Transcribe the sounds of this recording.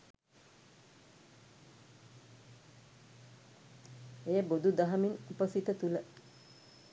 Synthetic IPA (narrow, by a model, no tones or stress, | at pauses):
ejəbod̪ud̪ɐɦɐminupəsit̪ət̪ulə